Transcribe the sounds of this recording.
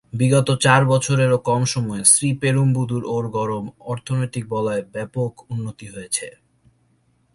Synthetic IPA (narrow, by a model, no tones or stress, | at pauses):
biɡɔt̪ot͡ɕaɾbɔt͡ɕʰoɾeɾokɔmʃɔmɔesɾipeɾumbud̪ʱuɾoɾɡɔɾomɔɾt̪ʰonojt̪ik̚bɔlɔebɛpokunːot̪iɦojet͡ɕʰḛ